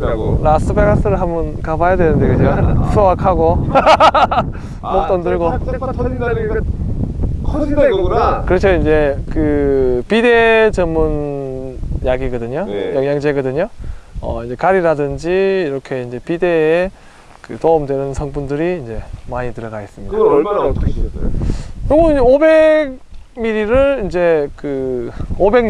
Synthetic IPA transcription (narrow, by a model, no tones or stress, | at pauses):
ɾas͈ɯbeɡas͈ɯɾɯɭɦamɯnkabajadwe̞nɯnde̞ɡɯd͡ʑosʰowakʰaɡo | mok̚t͈ʌndɯɭɡo | kʰikɯɾet͡ɕʰoind͡ʑe̞kɯpide̞t͡ɕʌmːun | jaɡiɡʌdɯɲojʌŋjaŋd͡ʑeɡɯdɯɲoʌ̰ind͡ʑe̞kaɾiɾadɯnd͡ʑiːɾʌkʰe̞ind͡ʑe̞pide̞ː | kɯtoɯmdwe̞nɯnsʰʌŋbundɯɾiːnd͡ʑe̞maɲitɯɾʌɡaes͈ɯmɲida | kɯɡoind͡ʑeobe̞ɡ̚ | miɾiɾɯɭind͡ʑe̞kɯobe̞ŋ